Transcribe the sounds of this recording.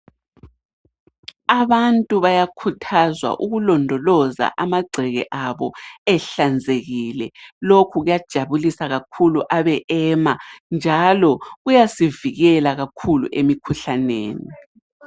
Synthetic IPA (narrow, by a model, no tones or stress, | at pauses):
aβantʼuβajakʰutʰazwa̰ʔuɣulɔndʱɔlɔza̰ʔamaɡ͡ǀʱɛɣɛ̰ʔaβɔ̰ɛɬand͡zʱeɣilɛlokʰuɣujad̥ʒ̥ʱaβulisaɣakʰuluʔaβɛʔɛːmand͡ʒʱalɔɣujasiviɣɛlaɣakʰulṵʔemikʰuɬanḛːni